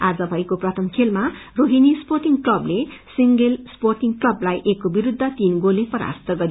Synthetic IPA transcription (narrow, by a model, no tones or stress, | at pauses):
ad͡zʌbʱʌjkoprʌt̪ʰʌmkʰelmaroɦinisporʈiŋɡklʌblesiŋɡelsporʈiŋɡklʌblajʔekːobiɾud̪ʱːʌt̪inɡolepʌɾa̰st̪ʌɡʌɾi